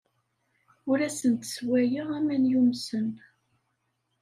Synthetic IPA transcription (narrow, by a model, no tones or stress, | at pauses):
ʊɾæsənt̪swæjəʁæmænjumsən